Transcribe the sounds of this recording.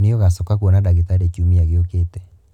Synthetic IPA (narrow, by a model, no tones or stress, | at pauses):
niɔɣasɔkakwɔnadaɣit̪aɾet͡ʃumiaɣeoketɛ